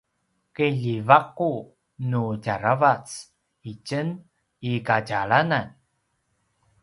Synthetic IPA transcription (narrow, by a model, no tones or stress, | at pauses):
keʎivaq̚u | nuɟaɾavat͡s | icən | ikaɟaɭanan